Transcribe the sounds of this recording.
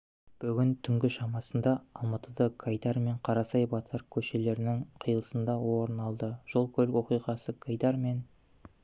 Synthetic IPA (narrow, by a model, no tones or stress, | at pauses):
b̥ʏɡʲɪnt̪ʰʏŋɡʲɪʃɑmɑsənd̪ɑːlˠmɑt̪əd̪ɑkʰɑjd̪ɑɾme̞ɴqʰɑɾɑsɑjbɑt̪ʰəɾkʲʰɵʃe̞le̞ɾɪnɪŋqʰijəlˠə̥sənd̪ɑwo̞ɾənɑlˠd̪əʒ̥o̞lˠkʲʰɵlɪkwo̞qijʁɑsəkʰajd̪ɑɾme̞n